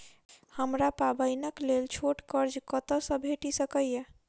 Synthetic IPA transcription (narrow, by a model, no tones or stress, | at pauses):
həmɾapabəjnəklelt͡ʃʰoʈkəɾd͡ʒkət̪əsə̃bʱeʈisəkəjje